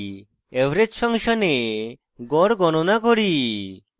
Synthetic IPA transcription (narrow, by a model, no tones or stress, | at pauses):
ebʱɾed͡ʑfʰaŋʃɔne | ɡɔɾɡɔnonakoɾi